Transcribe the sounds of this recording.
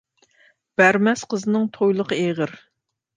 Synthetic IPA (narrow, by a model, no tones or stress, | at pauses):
b̥æɾmɛsqʰəzɨnɨŋt̪ʰojlˠəqʰəeʁəɾ